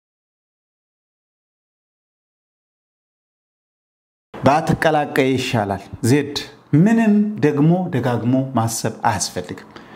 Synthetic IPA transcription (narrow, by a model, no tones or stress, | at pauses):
bəat̪ʰɨkʼːəlakʼːəjjɪʃːalalzed̪ | mɨnɨmd̪əɡmo̞d̪əɡaɡmo̞masːəβa̰sfəlːɨɡɨm